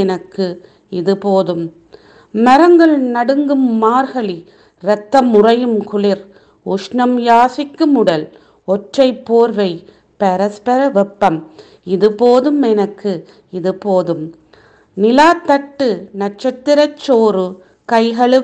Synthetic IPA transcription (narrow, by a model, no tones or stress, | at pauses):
ɛnɐkːɯ | ɪðɯpoːðɯm | mɐɾɐŋɡɐɭnɐɽɯŋɡɯmːaːɾɣɐɭi | ɾɛt̪ːɐmʊrɐjɯmkʊɭɪɾ | ʊʂɳɐmjaːsɪkːɯmʊɽɐl | ɔʈrɐɪpːoːɾʋɐɪ | pɐɾɐspɐɾɐʋɛpːɐm | ɪðɯpoːðɯmɛnɐkːɯ | ɪðɯpoːðɯm | nɪlaːt̪ːɐʈːɯnɐʈt͡ʃɐt̪ːɪɾɐt͡ʃːoːɾɯ | kɐɪɣɐɭɯ